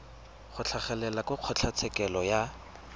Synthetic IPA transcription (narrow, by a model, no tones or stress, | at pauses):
χʊt͡ɬʰaχɛlɛlakʊq͡χʰɔt͡ɬʰat͡sʰɛkɛlɔja